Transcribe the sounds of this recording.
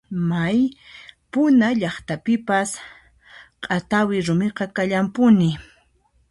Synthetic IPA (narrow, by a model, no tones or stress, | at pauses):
majpʊnaʎɑχt̪apɪpas | qʼat̪awɪɾʊmɪqɑkaʎampʊnɪ